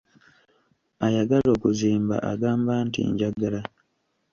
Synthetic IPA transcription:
ajaɡalo̞ːkuziːmba̰ʔa̰ɡaːmbaːntḭɲɟaɡala

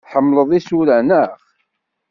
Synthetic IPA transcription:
θħəmːləðˤisuɾænəχ

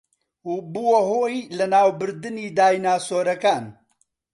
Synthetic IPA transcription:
ubuwɐɦoːjlɐnaːwbɨɾd̪ɨniːd̪aːjnaːsoːɾɐkaːn

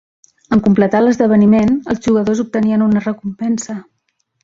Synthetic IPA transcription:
əŋkumplət̪aləzðəβ̞ənimenəlˠzʒuɣəðozup̚t̪əniənunərəkumpɛnsə

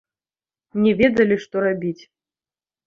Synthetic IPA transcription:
nʲɛvʲɛd̪ɐlʲiʂt̪ɔɾabʲit͡sʲ

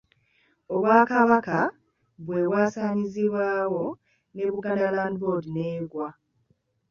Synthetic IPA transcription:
o̞βwaːkaβaka | βwe̞βwaːsaːɲiziβwaːwo̞ | ne̞βuɡandalandβo̞dineːɡwa

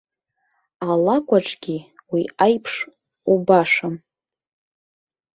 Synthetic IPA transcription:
alakʷʼaʈ͡ʂʼɡʲiwiajpʰʂ | ubaʂam

